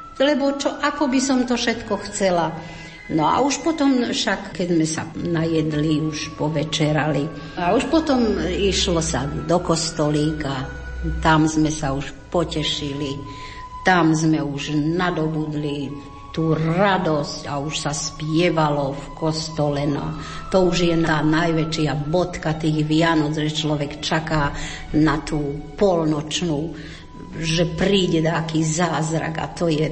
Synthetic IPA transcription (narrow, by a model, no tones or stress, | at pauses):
lɛbɔt͡ʃɔʔakɔbisɔmt̪ɔfʃɛt̪kɔxt͡sɛla | nɔa̰uʃpɔt̪ɔmfʃakkɛzmɛsanajɛd̪liuʃpɔʋɛt͡ʃɛɾali | auʃpɔt̪ɔmiʃlɔsad̪ɔkɔst̪ɔliːka | t̪amzmɛsauʃpɔcɛʃili | t̪amzmɛuʒnad̪ɔbud̪li | t̪uːɾad̪ɔscauʃsaspjɛʋalɔfkɔst̪ɔlɛnɔ̰ | t̪ɔuʒjɛnaːnajʋɛt͡ʃɪabɔt̪kat̪iːɣʋɪanɔd͡zʒɛt͡ʃlɔʋɛkt͡ʃakaː | nat̪uːpɔlnɔt͡ʃnuː | ʒɛpɾiːɟɛd̪akiːzaːzɾa̰ɡa̰t̪ɔjɛ